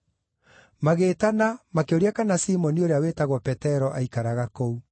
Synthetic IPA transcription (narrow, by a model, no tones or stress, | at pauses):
maɣeːtanamakeoɾiakanasimɔnioɾeawetaɣwɔpɛtɛɾɔʔaikaɾaɣakou